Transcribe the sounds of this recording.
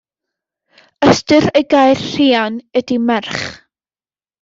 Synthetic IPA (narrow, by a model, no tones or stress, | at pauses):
əstɨɾejɡajrr̥iːanɛdimɛrχ